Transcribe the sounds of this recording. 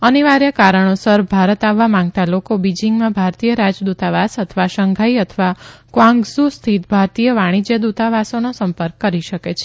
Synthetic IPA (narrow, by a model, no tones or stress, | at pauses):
əniʋaɾjəkaɾəɳ̃osəɾbʱaɾət̪aʋːamãŋɡ̚t̪alokobid͡ʒiŋɡmãbʱaɾt̪ijəɾad͡ʒd̪ut̪aʋasət̪ʰʋaʃəŋɡʱaiət̪ʰʋakʋãŋɡsust̪ʰit̪bʱaɾt̪ijəʋaɽ̃id͡ʒəd̪ut̪aʋasonosəmpəɾkːəɾiʃəket͡ʃʰe̥